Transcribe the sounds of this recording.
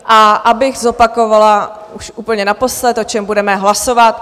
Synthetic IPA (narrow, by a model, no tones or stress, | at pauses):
ʔaʔabɪɣzo̞pako̞vala | uʃuːpl̩ɲɛnapo̞slɛt̪ʔot͡ʃɛmbudɛmɛɦlasovat̪̚